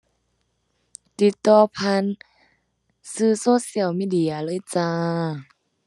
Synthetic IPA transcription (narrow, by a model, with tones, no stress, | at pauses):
t̪i˧t̪ːɔː˧pʰa˧˥˨n | sɯː˧˩soː˧˦˨si˧˩ə˨wmiː˧˥˨di˧˩ɐ˨lɤː˧˨t͡ɕaː˧